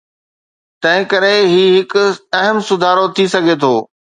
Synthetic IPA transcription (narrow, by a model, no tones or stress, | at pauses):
t̪ɐ̃ɦɪ̃kɐɾeɦiːɦɪkʊɐɦəmsʊd̪ʱaːɾot̪ʰisɐɡʱet̪ʰoː